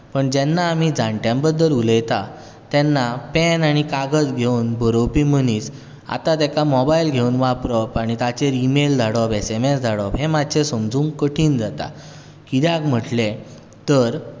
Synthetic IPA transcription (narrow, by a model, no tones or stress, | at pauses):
pəɳd͡ʑɛnːaːm̤id͡zãɳʈjãmbəd̪ːəluləjt̪a | t̪ɛnːapɛnaɽ̃ikaɡəd͡zɡʱeunbʱəɾopim̤əniːt͡s | a̰t̪at̪ɛkamɔbailɡʱeunʋapɾɔpaɽ̃it̪at͡ɕeɾimeld͡z̪ʱaɽɔpɛsemesd͡zʱaɽɔpɦemad̪t͡ɕesəmd͡zũːŋkəʈʰiːnd͡zat̪a̰ | kid̪jakm̤əʈle | t̪əɾ